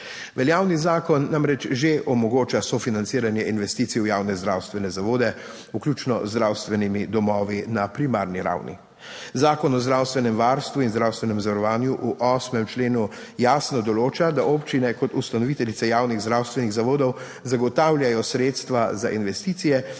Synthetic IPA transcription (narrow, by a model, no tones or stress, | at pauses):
ʋɛljaːwnizaːkɔnːamɾɛt͡ʃʒeʔɔmɔɡoːt͡ʃasɔfinant̪siːɾanjɛinʋɛst̪iːt̪siujaːwnɛzd̪ɾawst̪ʋɛnɛzaʋoːd̪ɛ | uklʲjuːt͡ʃnɔzd̪ɾawst̪ʋɛnimid̪ɔmɔːʋinapɾima̰ɾniɾa̰wnḭ | zaːkɔnɔzdɾawst̪ʋɛnɛmʋaɾst̪ʋuinzd̪ɾawst̪ʋɛnɛmzaʋaɾɔʋaːnjuʔuʔɔːsmɛmt͡ʃleːnu | jaːsnɔd̪ɔloːt͡ʃad̪aʔɔpt͡ʃinɛkɔt̪ust̪anɔʋit̪ɛlit̪sɛjaːwniɣzd̪ɾawst̪ʋɛniɣzaʋoːd̪ɔw | zaɡɔt̪aːwljajɔsɾeːt̪st̪ʋazaʔinʋɛst̪iːt̪sijɛ